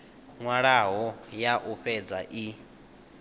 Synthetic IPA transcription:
ŋwaɺaɦɔjaʔuɸɛd͡zaʔi

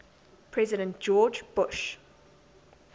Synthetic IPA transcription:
pʰɹ̥ɛzɪɾə̃nʔd͡ʒ̥ɔːd͡ʒb̥ʊʃ

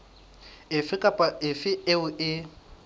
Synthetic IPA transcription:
ɪfɪkʼapʼaɪfɪeʊʔɪ

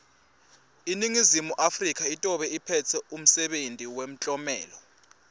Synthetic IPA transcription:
iniŋizimuʔafrik̬ʰʼaitʼɔɓɛipʰɛtʰɛum̩sɛɓentʼiwem̩t͡ɬʼɔmɛ̰ːlɔ

